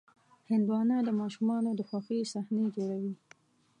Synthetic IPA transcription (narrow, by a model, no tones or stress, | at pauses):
hɪnd̪wɑnad̪əmɑʃumɑnod̪əxwɑxisahned͡ʒoɽawi